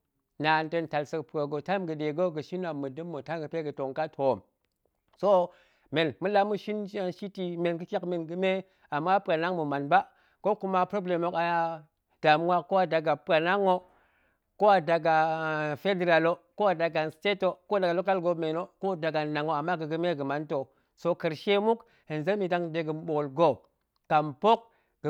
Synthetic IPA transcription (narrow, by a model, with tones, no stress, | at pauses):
na˨ntə˦nta˨lsə˨kpɾo˨ɡo˨ta˦mɡə˨de˨ɡo˦ɡə˨ʃi˦na˨mɨ˨dɨ˦mːo˨ta˦ɡə˨pe˦ɡə˨to˨ŋka˦tʰo˨m | so˦ | me˨nmu˦la˦mu˦ʃi˦nʃa˦nʃi˦ti˨me˨nkɨ˦kʲa˦kme˨nɡɨ˨me˦ | a˨mːa˦pka˨na˦ŋmu˨ma˨nba˦ | ko˦ku˦ma˦pɾo˦ble˨mo˨˦ka˨ja˦ | d̥a˨m˦wa˦kko˦a˨da˨ɡa˨pa˨na˦ŋo˦ | ko˦a˨da˨ɡa˨fe˦de˨ɾa˨lo˦ko˦a˨da˨ɡa˨nste˦to˨ko˦da˨ɡa˨lo˦ka˦lɡo˨me˨no˦ko˦da˨ɡa˨na˨ŋo˨a˨mːa˦ɡə˨ɡɨ˦me˦ɡɨ˨ma˨˦nto˨ | so˦kə˨ɾʃe˦mu˦k | hi˨n˨ze˦mi˨da˦ŋde˨ɡə˨m˦ɓo˨ɣlɡo˦˨ | ka˨mpo˦k̚ | ɡ